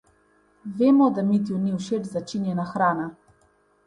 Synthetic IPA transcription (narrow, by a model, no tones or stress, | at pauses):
veːmɔd̪amit̪iuniwʃed͡ʒzat͡ʃinjɛnaxɾaːna